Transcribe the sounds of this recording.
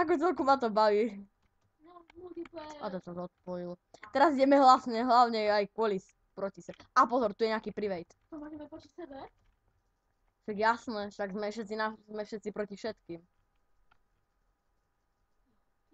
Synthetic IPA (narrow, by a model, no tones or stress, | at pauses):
ak̬ɔt͡sɛlkumat̪ɔbaʋiː | mult̪ipɛat̪ɛsazɔt̪̚pɔil | t̪ɛɾaziɟɛmɛɦlasɲɛɦlaʊɲɛajkʊɔlis | pɾɔcisɛbɛapɔzɔɾt̪ujɛɲɪakiːpɾiʋɛjt̪t̪ɔmaɲɛmɛpɔt͡ʃisɛbɛ | ʃaɡjasnɛʃaɡzmɛfʃɛt̪t͡sinazmɛfʃɛt̪t͡sipɾɔcifʃɛt̪kiːm